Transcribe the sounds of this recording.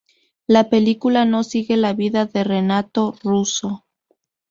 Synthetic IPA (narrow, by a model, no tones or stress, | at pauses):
lape̞likulano̞siɣe̞laβiðaðe̞re̞nat̪o̞ruso